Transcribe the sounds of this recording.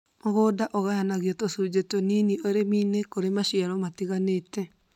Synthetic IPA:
moɣoːdaʔɔɣajanaɣjɔtosud͡ʑetɔninioɾemiːnekoɾemaʃiaɾɔmatiɣaneːtɛ

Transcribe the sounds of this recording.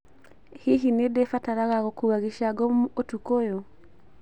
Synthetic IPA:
hiɦinedefataɾaɣaɣokuβaɣiʃaɡɔmotukojo

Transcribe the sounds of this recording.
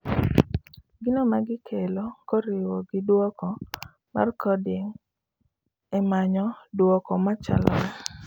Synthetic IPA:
ɡɪnomaɡɪkʰɛlɔkoɾɪwɔɡɪdwɔkɔ | ma̰rkɔdɪŋ | ɛmaɲɔdwɔkɔmat͡ʃa̰lʔɔl

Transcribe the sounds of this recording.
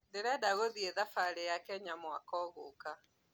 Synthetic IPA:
ndeɾɛdaɣoðieðafaɾejakɛɲamwakɔɣoka

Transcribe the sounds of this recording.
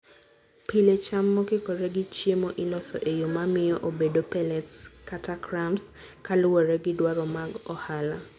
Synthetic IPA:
pilet͡ʃamːɔkɪkɔɾɛɡɪt͡ʃjemɔʔɪlɔsɔ̰ʔejomamɪjɔʔobedopɛlɛtskatakɾams | kalʊɔɾɛɡɪdwaɾɔmaɡɔhala

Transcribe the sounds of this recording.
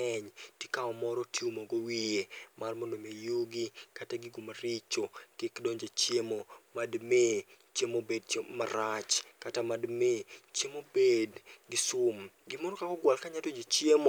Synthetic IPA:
ɛɲtikaɔmɔɾɔtjumoɡowiemarmonomejuɡikataɡɪɡumaɾit͡ʃokikdoɲd͡ʒat͡ʃjemomadmet͡ʃemobed̚t͡ʃemaɾat͡ʃkatamadmet͡ʃemobedɡɪsʊmɡɪmɔɾɔkakɔɡwalkaɲadoɲd͡ʒet͡ʃjemo

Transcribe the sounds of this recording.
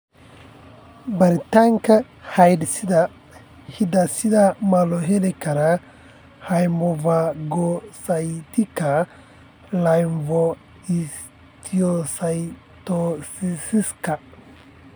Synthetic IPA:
bɐɾɪt̪ɐŋkɐ | hɐjd̪sɪd̪ɐ | hid̪ɐsɪd̪ɐmɐlɔɦɛlɛkɐɾɐ | hɐjmɔvaɡɔsɐjt̪ɪkːɐ | lɐjnvɔ | is | t̪ʰijɔsɐj | t̪osisɪskɐ

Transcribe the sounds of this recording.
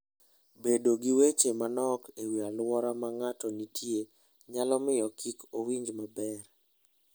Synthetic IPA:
bedoɡiwet͡ʃemanɔkewialwɔɾamaŋatɔnitʰje | ɲalɔmɪjɔkʰikowiɲd͡ʒmabɛr

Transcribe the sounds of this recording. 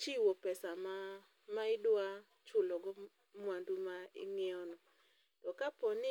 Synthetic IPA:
t͡ʃiwɔpɛsama | maɪdwa | t͡ʃʊlɔɡɔ | mwandumaɪ̰ŋɛɔnɔ | tɔkapɔnɪ

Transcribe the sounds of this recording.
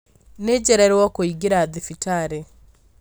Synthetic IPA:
ned͡ʑɛɾɛɾwɔkoiɡeɾaːðefitaɾe

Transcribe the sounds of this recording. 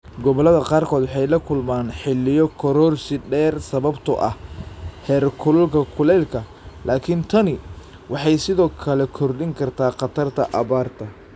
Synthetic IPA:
ɡɔβɔlɐðɐqɑːrkʰɔːd̪wɑħɑjlɐkʰʊlmaːnħɪlːɪjɔkʰɔɾɔːrsɪɖɛːrsɐβɐbt̪ʰʊʔɐ̰hhɛːrkʰʊlʊlkʰɐkʰʊlɛlkʰɐ | lʔaːkʰɪnt̪ʰɐnɪ | wʔɑħɑjsɪðɔːkʰɐlɛkʰɔrɖɪŋkʰɐrt̪ʰaːqɑt̪ʰɐrt̪ʰɐʔɐβaːrt̪ʰɐ

